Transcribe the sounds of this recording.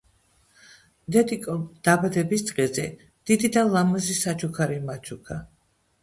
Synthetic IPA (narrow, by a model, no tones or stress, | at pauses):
d̪ɛd̪ikʼɔd̪̥abad̪ɛbist̪sʼqʼɛzɛ | d̪̥id̪id̪alˠamazisat͡ʃʰukʰaɾimat͡ʃʰukʰa